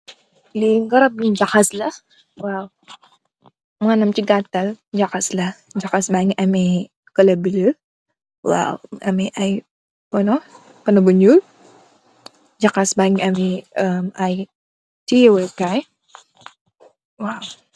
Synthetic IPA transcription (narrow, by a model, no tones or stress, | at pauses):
liŋɡəɾab̚nid͡ʒakaslah | waw | məŋanamt͡ʃiɡat̪ald͡ʒakaslahd͡ʒakasbaŋiami | kələbilə | wa̰wamiʔai | wano | pənəbuɲul | d͡ʒakasbaŋiamiəmaj | tiwəkaj | waw